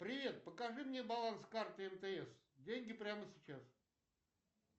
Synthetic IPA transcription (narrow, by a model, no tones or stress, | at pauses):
pɾʲɪvʲe̞t̪̚pəkɐʐɨmnʲebɐlˠanskart̪ɨɛmt̪əɛs | dʲenʲɡʲɪpɾʲaməsʲɪt͡ɕas